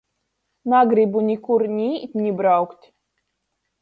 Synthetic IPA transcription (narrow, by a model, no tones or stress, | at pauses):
naɡɾibunʲikuɾnʲit̪ʲnʲibɾawkt̪ʲ